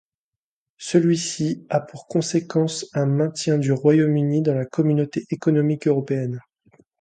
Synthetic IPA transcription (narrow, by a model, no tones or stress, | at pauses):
səlɥisiapuʁkɔ̃sekɑ̃sɛ̃mɛ̃t̪jɛ̃d̪yʁwajomynid̪ɑ̃lakʰɔmynot̪eʔekɔnɔmikøʁɔpeɛn